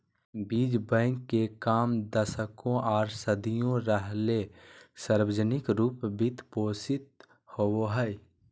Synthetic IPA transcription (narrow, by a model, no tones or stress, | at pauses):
biːd͡ʒbə̃ŋkːekaːmd̪əsəkõʔɔːɾsəd̪ʱijõɾəɦlesəɾwəd͡ʒənɪkɾuːpbit̪poːsɪt̪̚ | howoɦəj